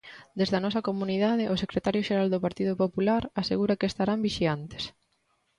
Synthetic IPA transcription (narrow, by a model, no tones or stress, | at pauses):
d̪ezðɐnɔsɐkomuniðaðɪʔʊsekɾet̪aɾjoʃeɾald̪opaɾt̪ið̞opopulaɾaseɣuɾɐkeːst̪aɾambiʃiant̪e̥s